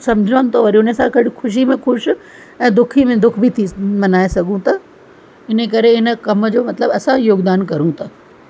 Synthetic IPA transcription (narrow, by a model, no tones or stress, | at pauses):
sɐmd͡ʑʱənt̪ʰoʋɐɾiʊnesãkɐɽɪxʰʊʃimẽxʊʃ | ɛ̃ːd̪ʊkʰimẽd̪ʊkʰbʱit̪ʰimɐnaːesɐɠũt̪ɐ | ɪnekɐɾeɦɪnə̆kɐmd͡ʑoːmɐt̪ləbɐsãjoːɡd̪aːnkɐɾũt̪ʰɐ